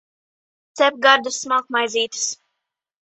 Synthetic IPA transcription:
t̪sɛp̚ɡaɾd̪usmakmajziːt̪ɨ̥s

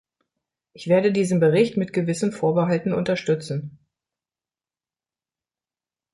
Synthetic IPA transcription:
ʔɪçv̥eːɐdədiːzən̩bəʁɪçtmɪtɡ̥əvɪsn̩foːɐbəɦaltn̩ʊ̰ntɐʃtʏt͡sn̩

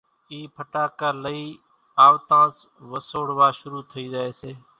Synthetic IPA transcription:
iːpʰəʈaːkəːləiː | aːʋt̪ãːs | ʋəsoːɽʋaːʃʊɾuːt̪ʰəiːd͡ʒaːeːseː

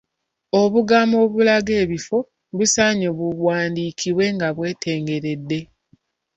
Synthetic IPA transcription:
o̞βuɡamo̞βulaɡe̞ːβifo̞ | βusaːɲoβuβwaːndiːkʰiβwe̞ŋɡaβwe̞ːtʰe̞ːŋɡe̞ɾe̞dːe̞

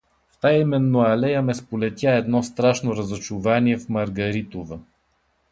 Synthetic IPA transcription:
ft̪ajimɛnːoɐlɛjəmɛspolɛt̪ʲjaɛd̪nɔst̪ɾaʃnoɾɐzot͡ʃuvaniɛfmɐɾɡɐɾit̪ovə

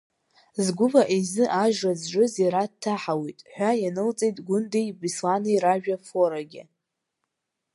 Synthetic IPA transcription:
zɡʷʊvaʔizɨʔaʒazʒʷʊzeɾadtʰːaħawijtʼħʷᶣajanɨlt͡sʼejtʼɡʷʊndejbislanɨiɾaʒᶣafoɾaɡʲɪ̰

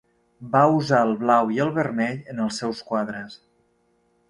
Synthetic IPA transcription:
bauzaəlˠβlawiəlˠβərmɛʎənəlˠsːɛwskwaðɾəs

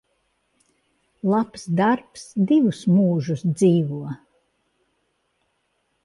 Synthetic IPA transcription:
lˠapsd̪aɾpsd̪ivusmuːʒusd̪ziːvuɔ

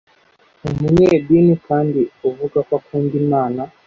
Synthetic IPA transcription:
umuɲɛɗinikandiuvuɡakwakundimaːna

